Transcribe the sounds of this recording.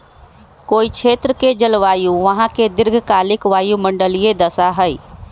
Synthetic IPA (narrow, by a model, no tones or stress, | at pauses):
koːit͡ʃʰet̪ɾəked͡ʒəlʋajuʋəɦãked̪ɪɾɡʱkaːlɪkʋaːjuməɳɖəlijed̪əsaɦəj